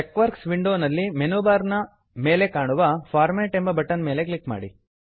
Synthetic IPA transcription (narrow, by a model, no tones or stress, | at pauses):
ekʋɐɾksʋiɳɖoːnɐlːimenuːbaːɾnɐ | me̞ːle̞kaːɳuʋɐfʰaːɾmeːʈembɐbɐʈːɐnme̞ːle̞klikma̰ːɽi